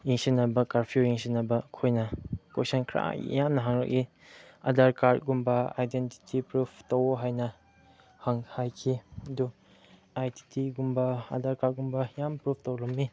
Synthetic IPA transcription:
iŋsinːɐbɐkaɾpʰiuɾiŋsinːɐbɐkʰojnɐkosɐnkʰɾa̰ɡḭjamnɐɦaŋɾɐ̰k̚i | ɐ̰daɾkaɾt̚ɡumbɐa̰jdenti̥tʰipɾupʰtowoɦajnɐ | haŋhajkʰiɐdu | ajti̥tʰiɡumbɐɐ̰daɾkaɾ̚ɡumbɐjampɾupʰtowlɐmːi

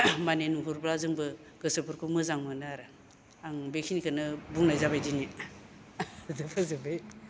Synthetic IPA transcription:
manenuɦuɾblazɯŋbɯ | ɡɯsɯpʰuɾkʰumɯzaŋmɯnɯɾɯ | aŋbekʰinikʰɯnɯbuŋnajzabajdini | dɯpʰazɯbɯj

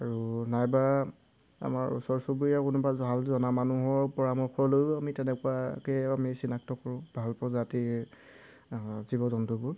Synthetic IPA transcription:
aɹunajba | a̰maɹṵsɔɹsubuiakʊnʊbabʱalzɔnamanuɦɔɹpɔɹamɔkʰɔlojbɔamitɛnɛkʊwakɛamisinak̚tɔkɔɹʊ̃bʱalpɔzati | zibɔzɔntɔbʊɹ

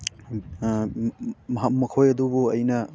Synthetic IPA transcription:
mɐɦɐk̚mɐkʰojɐdubuɐjnɐ

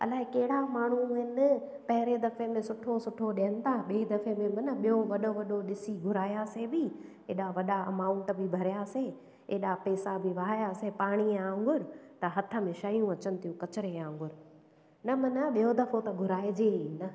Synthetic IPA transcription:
ɐ̰laːɦekɐɦɪɽamaːɳ̤uɦɪnɪ | pɐɦɪɾed̪ɐfemẽsʊʈʰosʊʈʰoɗeənɪ̆t̪ʰaɓeːd̪ɐfemẽmɐnəɓijoʋɐɗoʋɐɗoɗɪsiɡʱʊɾaːjasebi | ḛːɗaʋɐɗaɐmãːʊ̃ɳʈbʱɪbʱɐɾijaseː | ḛːɗapɛːsabiʋɐɦaːjasepaːɽ̃iãːŋɡʊɾt̪ɐɦɐt̪ʰə̆mẽʃɐjũɐt͡ɕənɪ̆t̪ʰijũkɐt͡ɕɪɾeãːŋɡʊɾ | nɐmɐnɐɓijod̪ɐfot̪ɐɡʱʊɾaːed͡ʑeːnɐ

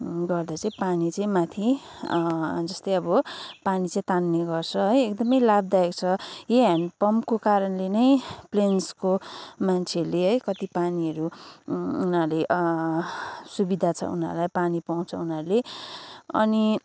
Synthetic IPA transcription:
ɡʌrd̪at͡saĩpanit͡saĩmat̪ʰi | d͡zʌst̪ʌjʌbʌpanit͡sãĩt̪anːeɡʌrt͡sʰʌɦʌjekd̪ʌmʌjlab̚d̪aekt͡sʰʌjeɦanpʌmkokaɾʌnlenʌjplenskomant͡sʰeleɦʌjkʌt̪ipaniʌɾu | unala | subid̪ʱat͡sʰʌ̰ṵna̰ɾlajpanipaw̃t͡sʰʌ̰unarle | ʌ̰ni

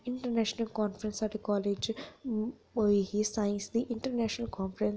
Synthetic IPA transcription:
ɪ̃ɳʈəɾnæːʃənəlkɔːnfɾə̃nsɛʈdikɔːleːd͡ʒ | ohisãɪ̃nsd̪iʔɪ̃ɳʈəɾnæːʃnəlkɔ̃ːnfəɾə̃n

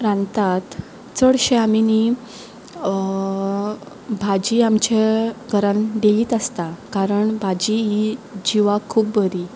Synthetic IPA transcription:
ɾãnt̪at̪ | t͡səɽɕeamini | bʱad͡ʑiamt͡ɕeɡʱəɾãnd̪eliːt̪əst̪akaɾəɳbʱad͡ʑiɦid͡ʑiʋakʰuːpbəɾi

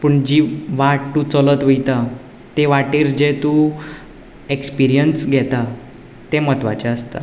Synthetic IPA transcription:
pəɳd͡ʑiʋaʈtut͡sɔlət̪ʋəjt̪a | t̪eʋaʈiːɾd͡ʑet̪u | ekspiɾijənsɡʱɛt̪a | t̪emət̪ʋa̰t͡ɕaəst̪a̰

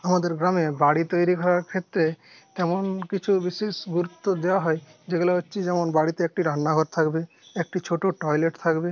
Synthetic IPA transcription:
amad̪eɾɡɾamebaɽit̪ojɾikʰɔɾaɾkʰet̪ːɾe | t̪ɛmonkit͡ʃʰubiʃesɡuɾut̪ːod̪ewaɦɔed͡ʒeɡulaɦotːʃʰid͡ʒɛmonbaɽit̪eek̚ʈiɾanːaɡʱɔɾt̪ʰakbe | ek̚ʈit͡ʃʰoʈoʈɔjleʈt̪ʰakbe

